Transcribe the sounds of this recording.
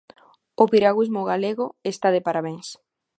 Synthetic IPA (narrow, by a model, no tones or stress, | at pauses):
opiɾaɣwizmoɣaleɣoest̪aðepaɾaβeŋs